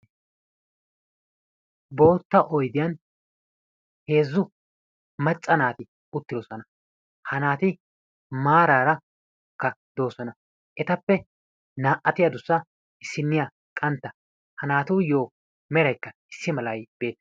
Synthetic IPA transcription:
bo̞ːt̪ːɐʔɔjd̪ɪjɐn | he̞ːzːʊ | mɐt͡sʼːɐnaːt̪ɪ | ʊt̪ːɪd̪ɔsɔnɐ | hɐnaːt̪ɪ | maːɾaːɾɐ | kːɐd̪o̞ːsɔnɐ | ʔɛt̪ɐpːɛ | naːʔɐt̪ɪjɐd̪ʊsːɐ | ɪsːɪnːɪja | kʼɐnt̪ːɐ | hɐnaːt̪ʊːjoː | mɛɾɐjkːɐɪsːɪmɐlɐjb̥e̞ːt̪

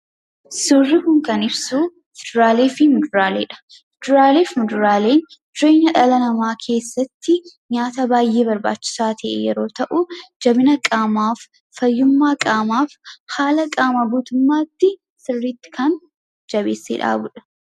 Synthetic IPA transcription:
suːrːɪkʊŋkɐnɪbsu | fɛd̪ɾaːle̞ːfɪmʊd̪ʊɾaːleːᶑɐ̥ | md̪ʊɾaːle̞ːfmʊd̪ʊɾaːle̞ːnd̪̥ɾeːɲɐᶑɐlɐnɐmaːkʰe̞ːsːɐt̪ːɪ | ɲaːt̪ɐbaːjʔːe̞ːbɐɾba̰ːt͡ʃːɪ̥saːt̪ʰɛʔḛːjɛɾo̞ːt̪ɐʔʊd͡ʒɐbɪnɐkʼaːmaːfː | ɐjːʊmːaːkʼaːmaːfhaːlɐkʼaːmɐbuːt̪ʊmːaːt̪ːɪ | sɪrːiːt̪ːɪ̥kʰɐn | d͡ʒɐβḛːsːḛːᶑa̰ːbʊᶑɐ̥

